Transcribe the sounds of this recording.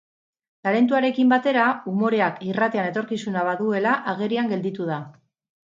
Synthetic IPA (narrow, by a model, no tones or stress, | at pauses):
laɾe̞nt̪uaɾe̞kimbat̪e̞ɾaumo̞ɾe̞akirat̪e̞ane̞t̪o̞ɾkisunaβ̞aðue̞laʔaɣ̞e̞ɾiaŋɡe̞ld̪it̪uð̞a